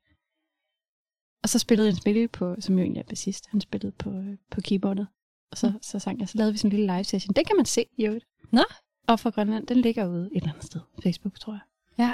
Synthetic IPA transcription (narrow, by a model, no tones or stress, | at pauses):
ɒ̽sɒ̽sb̥e̝ləðˠhænsb̥e̝ləpʰɒ̽sɒ̽mjoe̝̰ːnliæɐb̥ʰæsisd̥hænsb̥e̝ləð̩ˠpʰɒ̽pʰɒ̽kʰiːb̥ɒ̰d̥ð̩ˠ | ɒ̽sɒ̽sɒ̽sɑ̈ŋ̰ɑsɒ̽lɛːðˠʋisnliləlɑ̈ɪʋsæɕənd̥ekʰæmænse̝̰ːjod̥ | nɒ | ʔɒ̽fɑ̈ɡ̥ʁɶnlæn̰d̥enle̝ɡ̥ɐuð̞̩ˠed̥elænð̩ˠsd̥eð̞ˠfeɪsb̥uɡ̥t͡sʰʁo̰ja